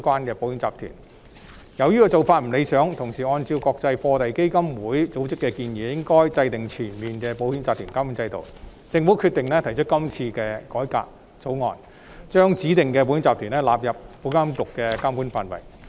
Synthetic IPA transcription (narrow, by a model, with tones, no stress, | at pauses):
kwaː˥nkɛː˧po˨˥wi˧˥ŋt͡saː˨p̚t̪ʰy̰˨˩n | jɐ˨˧wjiː˥kɔː˧t͡so˨˩wfaː˧t̚m̩˨˩le˨˧jsœː˨˥ŋt̪ʰʊ˨˩ŋsiː˨˩ɔː˧nt͡siː˧wkɔː˧k̚t͡sɐ˧jfɔː˧t̪ɐ˨jke˥jkɐ˥mwuː˨˥jt͡so˨˥wt͡sɪ˥kːɛː˧kiː˧njɛː˨˥jɪ˥ŋkɔː˥jt͡sɐ˧jt̪ɪ˨˩ŋt͡ʃʰyː˨˩nmiː˨nkɛː˧po˨˧˥whi˨˥nt͡saː˨p̚t̪ʰyː˨˩nkaː˥mu˨˥nt͡sɐ˧jt̪o̰˨w | t͡sɪ˧ŋfu˨˥wkʰyː˧t̪ɪ˨ŋlɛ˥t̪ʰɐ˨˩jt͡ʃʰɵ˥t̚kɐ˥mt͡sʰiː˧kɛː˧kɔː˨˥jka̰ː˧k̚ | t͡so˨˥wŋɔ̰ː˨n | t͡ʃœː˥ŋt͡siː˨˥t̪ɪ˨ŋkɛː˧p̬wji˧˥nt͡saː˨p̚t̪ʰyː˨˩nɛ˥laː˨p̚jɐ˨p̚ːo˨˧˥wkaː˥mt̪ʊ˨kːɛ˧kaː˥mpuː˨˥nfaː˨nwɐ̰˨˩j